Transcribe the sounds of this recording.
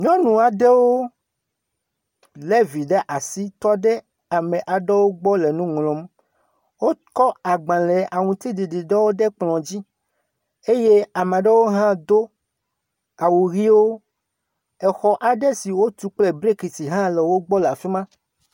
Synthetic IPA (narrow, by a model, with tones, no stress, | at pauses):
ɲɔ̃˦nũ˨a˨ɖɛ˦wo˦ | le˦vi˨ɖɛ˦ʔa˨si˦t̪ɔ˦ɖɛ˦ | a˨mẽ˨ʔa˨ɖɛ˦wo˦ɡ͡bɔ˦le˨nũ˦ŋlɔ̃˨m | wo˦kɔ˦a˨ɡ͡bã˨lɛ˨ʔa˨ŋũ˨t̪i˦di˨ɖi˨ɖɛ˦wo˦ɖɛ˦k͡plɔ̃˨d͡ʑi˦ | e˦je˦a˨ma˨ɖɛ˦wo˦ɦã˦d̪o˦ | a˨wu˨ɣi˦wo˦ | ɛ˨xɔ˨ʔa˨ɖɛ˦si˨wo˦t̪u˨k͡ple˦bɾe˦ki˨si˨ɦã˦le˨wo˦ɡ͡bɔ˦la˨fi˦mã˦